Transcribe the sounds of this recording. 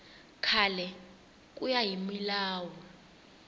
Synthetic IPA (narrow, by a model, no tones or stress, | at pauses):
kʰalɛ | k̬ʼujajimilaːwɔ